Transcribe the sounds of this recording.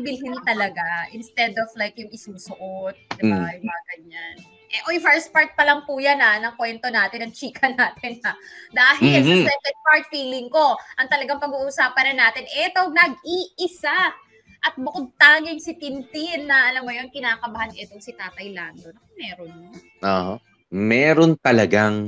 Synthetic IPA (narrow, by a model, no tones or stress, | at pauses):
bɪlɦɪnt̪ɐlɐɡaʔɪnst̪ɛd̪oflajkjʊŋɪsuːsʊʔot̪̚d̪ɪbajɪbaɡɐɲan | ʔɛʔojfɛɹspaɹt̪̚pɐlɐŋpujananɐŋkwɛnt̪o̞naːt̪ɪnɐŋt͡ʃiːkɐnaːt̪ɪnad̪aːɦɪlsɐsɛːkɛnd̪̚paɹt̪̚fiːlɪŋko̞ʔɐŋt̪ɐlɐɡaŋpɐɡuːʔusaːpɐnɐnːaːt̪ɪnʔɛt̪o̞nɐɡ̚iːʔɪsa | ʔɐt̪̚bʊkod̪̚t̪aːŋɪŋsɪt̪ɪnt̪ɪnːɐʔɐlɐmːojonkɪnaːkɐbahanʔɛt̪oŋsɪt̪aːt̪ɐjlaːnd̪o̞nɐkomɛːɾonjo | ʔoːho | mɛːɾont̪ɐlɐɡaŋ